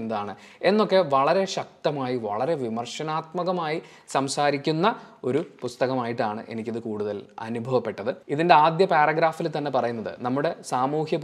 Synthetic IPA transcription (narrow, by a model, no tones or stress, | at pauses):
nɐd̪aːɳɨ | e̞nːo̞kːe̞ʋɐɭɐɾe̞ɕɐk̚t̪ɐmaːjiʋɐ̰ɭɐɾe̞ʋimɐrʂɐnaːt̪mɐɣɐmaːji | sɐmsaːɾikʲːunːɐo̞ɾupust̪ɐɣɐmaːjiʈːaːɳɨʔe̞̰nikʲːɐðɨkuːɽuðɐlɐ̰nubʱɐʋɐpːe̞ʈːɐðɨiðinde̞aːd̪jɐpaːrɐɡɾaːfilt̪ɐnːe̞pɐrɐjunːɐðɨ̰nɐmːuɽe̞saːmuːhjɐp